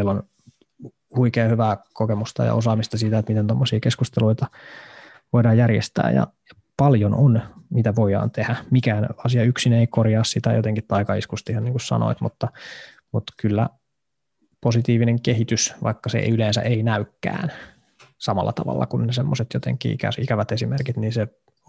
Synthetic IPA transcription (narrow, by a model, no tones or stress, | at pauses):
elːon | huikeːhyʋæːkokemust̪ɑ̰jɑ̰osɑːmist̪ɑsiːt̪æet̪mit̪ent̪omːosiːkeskust̪eluit̪ɑ | ʋoidɑːjjærjḛst̪æ̰ːjɑ̰jɑ | pɑljononmit̪æʋoiɑ̰ːnt̪ehæmikæːnɑsiɑyksineikorjɑːssit̪æjot̪eŋkit̪tɑikɑḭskust̪ihɑniːŋkussɑ̰no̰it̪mut̪ːɑ | mut̪kylːæ | posit̪iːʋineŋkehit̪ysʋɑ̰ikːɑsḛyleːnsæ̰ʔeinæykːæ̰ːn | sɑmɑlːɑt̪ɑʋɑ̰lːɑ̰kunːesemːoset̪jot̪ḛŋkːḭḭkæ̰sikæʋæt̪esimerkit̪niːnse